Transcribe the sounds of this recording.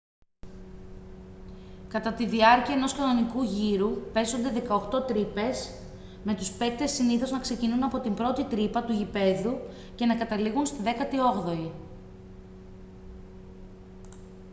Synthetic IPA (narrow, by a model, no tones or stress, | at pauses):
kɐt̪ɐt̪iðiɐɾciɐeno̞skɐno̞nikuʝiɾupe̞so̞nd̪e̞ðe̞kɐoxt̪o̞t̪ɾipe̞s | me̞t̪uspe̞k̚t̪e̞siniθo̞znɐkse̞cinunɐpo̞t̪imbɾo̞t̪it̪ɾipɐt̪uʝipe̞ðu | ce̞nɐkɐt̪ɐliɣunst̪iðe̞kɐt̪io̞ɣðo̞i